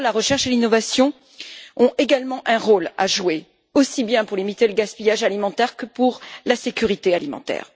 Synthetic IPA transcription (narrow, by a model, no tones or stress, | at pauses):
laʁəʃɛʁʃelinɔvasjɔ̃ | ɔ̃eɡalmɑ̃ʔɛ̃ʁola̰ʒue | osibjɛ̃puʁlimit̪eləɡaspijaʒalimɑ̃t̪ɛʁkəpuʁlasekʲyʁit̪ealimɑ̰̃t̪ɛ̰ːʁ